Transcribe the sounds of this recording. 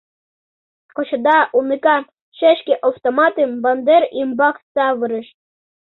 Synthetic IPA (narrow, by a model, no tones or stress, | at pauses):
kŏt͡ɕɤ̆d̪ɑʔunikɑ | ʃeʃkeʔowt̪omɑt̪embɑnd̪eɾimbɑksɑβɨɾə̆ʃ